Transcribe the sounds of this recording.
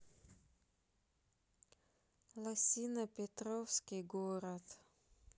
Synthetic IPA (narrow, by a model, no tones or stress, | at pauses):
lˠɐsʲinɐpʲet̪ɾɔwsʲkʲɪɡoːɾat̪